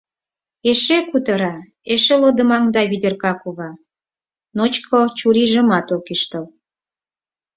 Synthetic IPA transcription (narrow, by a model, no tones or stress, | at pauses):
eʃekut̪əɾɑ | eʃelod̪ə̆mɑŋd̪ɑβid̪ʲerkɑkuβɑ | not͡ɕkʰot͡ɕuɾiʒə̆mɑt̪okiʃt̪əl